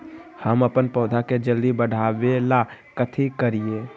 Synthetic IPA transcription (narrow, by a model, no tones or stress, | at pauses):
həməpənpɔːd̪ʱaked͡ʒəld̪ibəɽ̤ʱaːʋelakət̪ʰikəɾie